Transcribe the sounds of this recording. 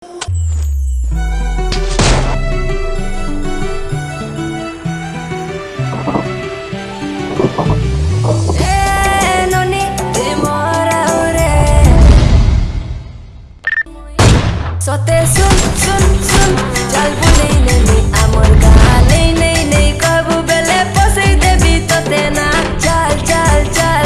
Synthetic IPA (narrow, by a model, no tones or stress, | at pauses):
e | nɔniemɔɾawɾe | mojsɔt̪esunsunsund͡ʒalbunejneniamɔɾɡa̰lejnejnejkɔɾbubelepɔsejd̪ebit̪ɔt̪ena | t͡ʃalt͡ʃalt͡ʃal